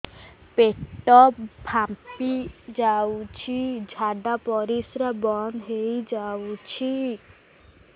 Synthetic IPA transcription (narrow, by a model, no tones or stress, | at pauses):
peʈɔpbʱampid͡ʒawt͡ʃʰid͡ʒʱaɖapɔɾisɾabɔnd̪ɦejd͡ʒawt͡ʃʰi